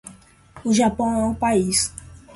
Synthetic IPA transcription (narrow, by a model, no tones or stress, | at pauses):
uʒapõw̃ɛũpais